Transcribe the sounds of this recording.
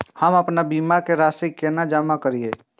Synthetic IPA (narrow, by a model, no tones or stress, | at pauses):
həmɐpnabiːmakeɾaːsikːenad͡ʒaːmakəɾieː